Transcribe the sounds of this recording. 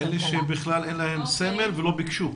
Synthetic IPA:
eleʃebiχlale̞nlahe̞mseme̞lvelo̞bikʃu

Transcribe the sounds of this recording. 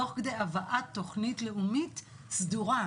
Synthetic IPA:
oχkd̪e̞javaʔat̪ːo̞χnitle̞umit | sduʁa

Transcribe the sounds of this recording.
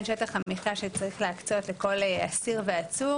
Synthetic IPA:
nʃet̪aχamiχaʃet͡saʁiχleakt͡so̞t̪leko̞la̰siʁveat͡su

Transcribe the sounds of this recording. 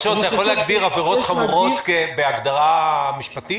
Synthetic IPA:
ʃoat̪ajaχolːehaɡd̪iʁaveʁo̞t̪χavuʁo̞t̪kebeaɡd̪aʁamiʃpat̪i

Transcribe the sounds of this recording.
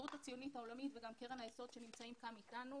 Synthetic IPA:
utat͡sijo̞nitao̞lamitveɡamke̞ʁenajeso̞d̪ʃe̞nimt͡saimkamitanu

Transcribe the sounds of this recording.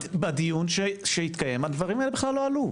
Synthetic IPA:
bad̪ijunʃeʃehit̪kajemhad̪vaʁimaelbeχlalːo̞alu

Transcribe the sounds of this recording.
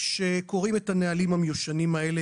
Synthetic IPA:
ʃeko̞ʁimetanealimhamejuʃanimaele

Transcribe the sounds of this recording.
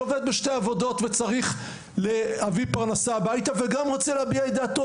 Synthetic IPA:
oved̪beʃte̞avo̞do̞t̪vet͡saʁiχ | leavipaʁnasaːbajt̪aveɡamʁot͡seleabiaed̪aːto

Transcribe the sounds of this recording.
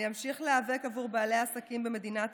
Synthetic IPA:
jamʃiχleave̞kavuʁbaːle̞jaasakimbe̞me̞d̪inat

